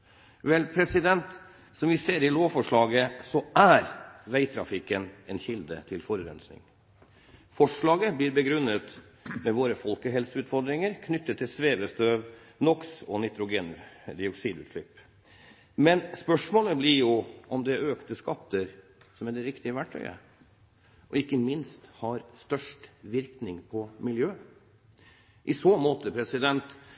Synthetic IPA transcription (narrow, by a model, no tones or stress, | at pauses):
ʋɛlpʰɾɛsɪd̪ɛnt̪ | sɔmʋɪseːɾɪloːʋfɔʂɭɑːɡəsɔæɾʋæɪt̪ʰɾɑ̰fɪkənɛnçɪld̪ə̰t̪ʰɪlfɔɾəɾɛ̰nsnɪ̰ŋ | fɔʂɭɑːɡəbliːɾbəɡɾʉnːət̪mɛʋoːɾəfɔlkəɦɛlsəʉːt̪fɔɾd̪ɾɪŋəɾkʰnʏt̪ːət̪ʰːɪlsʋeːʋəst̪øːʋ | nɔksɔnɪt̪ɾʊɡeːnd̪ɪɔksiːd̪ʉ̰ːt̪ʂlɪpː | mɛnspœʂmoːləblɪɾjʊʔɔmd̪ɛøːkt̪əskɑt̪ːəɾ | sɔmæɖ̪ɛɾɪkt̪ɪəʋæʈʰːœ̰ʏə̰ | ʔɔɪkːəmɪnst̪hɑɾst̪œʂʈʋɪɾknɪŋpʰɔmɪljøː | ʔɪsoːmoːt̪əpʰɾɛsɪd̪ɛnt̪